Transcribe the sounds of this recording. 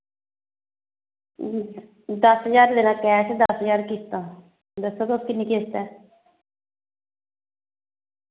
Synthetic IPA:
d̪əsɦəzaːɾleːnãːkɛat͡ʃʰed̪əsəzaːɾkist̪ãː | d̪əsːoːt̪oskɪnːiːkeːst̪ɛː

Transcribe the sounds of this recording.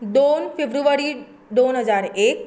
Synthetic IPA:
d̪oːnfɪbɾuʋəɾi | d̪oːnɦəzaːɾeːk

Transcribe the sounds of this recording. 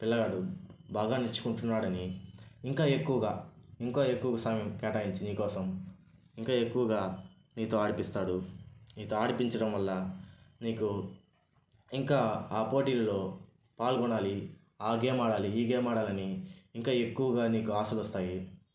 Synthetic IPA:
pilːɐɡaːɽubʱaːɡaːnit͡ʃːu̥kuɳʈunːaːɽɐniːŋkaːe̞kːuʋɐɡaːiŋkoːe̞kːuʋɐɡɐsaːmjɐmkɛːʈaːjiɲt͡ʃiniːkɔːsɐm | iŋkaːe̞kːuʋɐɡaː | niːt̪o̞ːaːɽipist̪aːɽuniːt̪oːaːɽipiɲt͡ʃɐɽɐmʋɐlːɐniːku | iŋkaːaːpo̞ːʈiːlɐlo̞ː | paːlɡɔɳaːli | aːɡeːmaːɽaːliiːɡeːmaːɽaːlɐniːŋkaːe̞kːuʋɐɡaːniːkuaːsɐlɔst̪aːji

